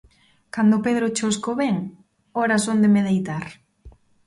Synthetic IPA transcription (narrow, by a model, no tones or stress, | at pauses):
kand̪opeðɾot͡ʃoskoβeŋ | ɔɾasond̪emeðejt̪aɾ